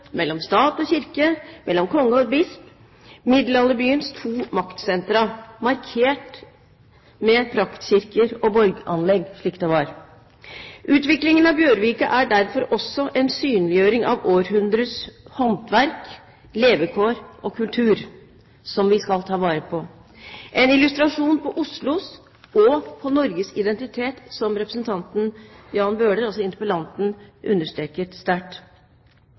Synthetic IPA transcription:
mɛlːɔmst̪ɑːt̪ɔɕɪɾkəmʔɛlːɔmkʰɔŋːəɔd̪bɪsp | mɪd̪lɑlːəbyːənst̪ʰuːmɑkt̪sɛnt̪ɾɑmɑɾkʰeːʈ | mɛpʰɾɑkt̪ɕɪɾkəɾɔbɔlɡɑnlɛɡʂɭiːkt̪ɛʋɑɾ | ʔʉːt̪ʋɪklɪŋənɑbjøːɾʋiːkə̰ʔæɖæɾfɔɾɔsːɔʔɛnsyːnlɪjøːɾɪŋɑ̰ʋoːɾɦʉnd̪ɾəshɔnt̪ʰʋæɾk | leːʋəkʰoːɾʔɔkʰʉlt̪ʰʉːɾ | sɔmʋɪskɑlt̪ʰɑːʋɑːɾəpʰɔ | ʔɛnɪlʉst̪ɾɑʂuːnpʰɔʔʊslʊs | ɔpʰɔnɔɾɡəsɪd̪ɛnt̪ɪt̪ʰeːt̪sɔmɾɛpɾəsnt̪ʰɑnt̪n̩jɑːnbøːɖəɾɑlsɔɪnəpəlɑnt̪n̩ʔʉ̰nːəʂʈɾeːkətst̪æːʈ

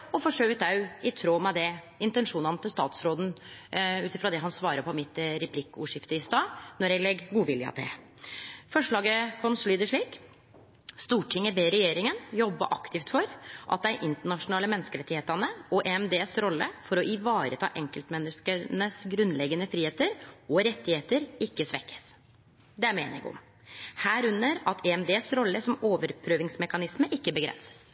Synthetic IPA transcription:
ɔfɔʂøːʋɪt̪ɑʉɪt̪ʰɾoːmɛd̪ɛ | ɪnt̪ɛnʂuːnɑnət̪ʰɪlst̪ɑ̰ːt̪sɾoːd̪n̩ | ʉːt̪ɪfɾɑd̪ɛɦɑnsʋɑːɾəpʰɔmɪt̪ɾɛpʰlɪkːʊːʂɪft̪əɪst̪ɑːnɔɾjæɡlɛɡɡuːʋɪljəɑ̰t̪ʰɛ̰ | fɔʂɭɑːɡəkʰɔnslyːd̪əʂɭiːk | st̪uːʈʰɪŋːəbeːɾɛjeːɾɪŋənjɔbːə̰ʔɑkt̪ɪft̪fɔɾʔɑ̰t̪̚d̪æɪʔɪnt̪əɳɑʂʊnɑːləmɛnskəɾɛt̪ːɪheːt̪ɑnəɔʔeːɛmd̪eːsɾɔlːə̰fɔɾɔʔɪʋɑːɾət̪ʰɑ̰ːʔɛŋkəlt̪mɛnːəskənəsɡɾʉnːlɛɡːənəfɾiːeːt̪əɾɔɾɛt̪ːɪheːt̪əɾɪkːəsʋɛkʰːə̥s | d̪ɛæɾmeːnɪ̰ŋɔ̰m | hæːɾʉnːəɾɑt̪ʰeɛmd̪eːsɾɔlːəsɔmoːʋəɾpʰɾøːʋɪŋsmɛkɑnɪsməʔɪkːəbəɡɾɛ̰nsə̥s

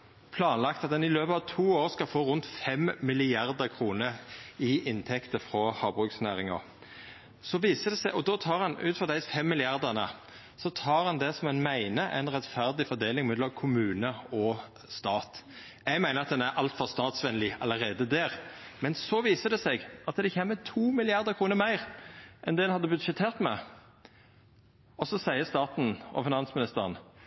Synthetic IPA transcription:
pʰlɑːnlɑkt̪ɑt̪̚d̪ɛnɪløːpəɑʋt̪ʰuːoːʁskɑlfoːʁʊnt̪fɛmmɪlɪɑʁd̪əkʰʁuːnəɾɪʔɪnt̪ʰɛkt̪əfɾɔhɑːbʁʉːksnæːʁɪŋɔ̰ | sɔʋiːsəd̪ɛsɛɪʔɔd̪ɔt̪ʰɑːʁhɑnʉːt̪fɔʁd̪æɪfɛmːɪlɪɑʁd̪ənə | sɔt̪ʰɑːʁɑnd̪ɛsɔmɛnmæɪnəʔæ̰ɪnʁɛt̪fæʁd̪ɪfɔʁd̪eːlɪŋmɛd̪lɔmkʰʊmʉːnəɔ | st̪ɑːt̪ | jɛɡmæɪnəɑt̪̚d̪ɛnæɾʔɑlt̪fɔʁst̪ɑːt̪sʋɛnlɪɑ̰ləʁeːd̪əd̪æːʁmɛnsɔʋiːsəd̪ɛsɛɡʔɑt̪d̪ɛɪçɛmːɛt̪ʰuːmɪlɪɑʁd̪əkʰʁuːnəʁmæɪʁʔɛnd̪ɛɛnhɑd̪ːəbʉt̪ʃɛt̪ʰeːʁt̪mɛ̰ | ɔsɔsæɪəst̪ɑːt̪n̩ʔɔ̰fɪnɑnsmɪnɪst̪əʁən

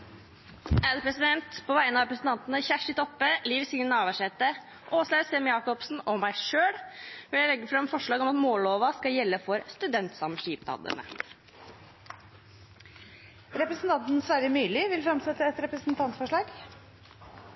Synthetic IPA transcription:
æːɾpʰɾɛsɪd̪ɛnt̪pʰɔʋæɪənəɑɾɛpɾəsn̩t̪ɑnt̪ənəçæʂɪt̪ʰɔpːəliːʋsɪŋənɑːʋəʂɛt̪ːə | ʔoːslæːsɛmjɑːkɔpsn̩ɔmæɪʂøːɽʋɪljæɪlɛɡːəfɾɑmfɔʂɭɑːɡɔmɑt̪moːloːʋɑskɑjɛlːəfɔɾst̪ʉd̪ɛnt̪sɑmʂiːpd̪ɑ̰ːd̪ə̰nə̰ | ɾɛpɾəsn̩t̪ɑnt̪n̩sʋæɾjəmyːlɪʋɪlfɾɑmsɛt̪ːəɛt̪ɾɛpɾəsn̩t̪ʰɑnt̪sfɔʂɭɑːɡ

